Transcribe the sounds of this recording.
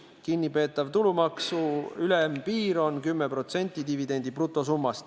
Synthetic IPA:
kinʲːipe̞ːt̪ːˑɑvt̪ulumɑksuylɛmpiːɾo̞nkymːepro̞t̪se̞nʲt̪ʲːˑid̪ivid̪e̞nʲd̪̥iprut̪ːˑo̞sumːɑst̪

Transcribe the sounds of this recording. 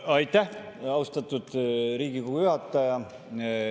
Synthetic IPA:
ɑjt̪ˑːæhɑwst̪ɑt̪ːˑud̪̥ɾiːɡikuujyhɑt̪ːˑɑjɑ

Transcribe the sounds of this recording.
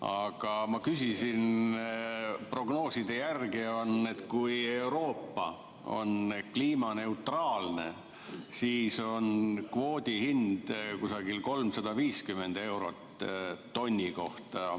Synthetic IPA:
ɑɡ̥ɑmɑkysisin | pro̞ɡ̥no̞ːsid̪̥e̞jærɡio̞ne̞t̪kuje̞wɾo̞ːpːɑ̰ | o̞̰nkliːmɑne̞ut̪rɑːlne̞̰ | siːso̞nkvo̞ːd̪̥ʲihind̪̥kusɑɡilko̞lmsɑd̪̥ɑviːskyme̞nd̪̥e̞wɾo̞t̪ː | o̞nʲːiko̞ht̪ɑ

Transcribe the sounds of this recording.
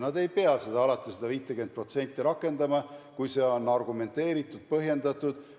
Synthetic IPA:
nɑd̪e̞jpe̞ɑse̞d̪ɑɑlɑt̪ːˑised̪̥ɑviːt̪ːˑeɡyn̚pro̞t̪se̞nʲt̪ːˑiɾɑkːˑe̞nd̪ɑmɑkujse̞o̞nːɑrɡume̞nt̪e̞ːɾit̪ˑːud̪̥̚pɤɦje̞nd̪ɑt̪ːˑud̪̥

